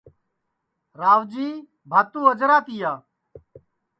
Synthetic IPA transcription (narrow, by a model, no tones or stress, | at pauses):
ɾaːʋd͡ʒiː | bʱaːt̪ːũːəd͡ʒɾaːt̪iːjaː